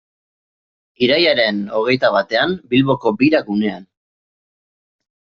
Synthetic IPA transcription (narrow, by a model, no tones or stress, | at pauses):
iɾajaɾe̞no̞ɣ̞e̞jt̪aβat̪e̞ambilβo̞ko̞biɾakune̞an